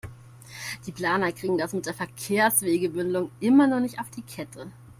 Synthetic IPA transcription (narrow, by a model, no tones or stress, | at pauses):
d̥iːpl̥aːnɐkʁ̥iːɡŋ̩d̥asmɪtd̥eːɐfɛɐkʰeːɐsv̥eːɡəbʏndlʊŋʔɪmɐnɔnɪçtaʊfd̥iːkʰɛtʰə